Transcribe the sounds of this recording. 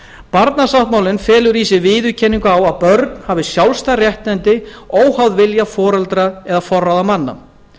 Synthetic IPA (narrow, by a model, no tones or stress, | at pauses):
paɾt̪nasawht̪maːwlɪnfɛːlʏɾiːsɪvɪːðʏcʰɛnːiŋkawaðpœɾt̪n̥haːvɪsjawlst̪arjɛht̪nɛnt̪ɪoːwhawðvɪljafɔːɾɛlt̪ɾaɛðafɔrːawðamanːa̰